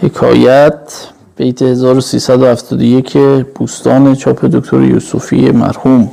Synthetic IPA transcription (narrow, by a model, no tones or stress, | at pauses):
hekʰɒ̰ːjæt̪ | b̥e̞jt̪ʰehezɒːɾosiːsæd̪ohæft̪ʰɒːd̪oje̞cʰeb̥uːst̪ɒːne̞t͡ʃʰɒːpʰe̞d̪okt̪ʰo̰ɾḛjṵːsufḭemæ̰ɾhum